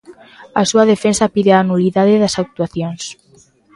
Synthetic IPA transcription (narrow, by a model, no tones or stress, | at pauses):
asuaðefensapiðeaːnuliðaðeðasak̚t̪uaθjons